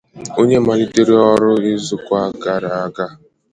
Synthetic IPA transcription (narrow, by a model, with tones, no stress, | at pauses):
o˦ɲe˦ma˨li˦te˦ɾi˦ɔ˦ɾʊ˦ɪ˦zʊ˨kʷa˦ɡa˦ɾa˨a˦ɡa˦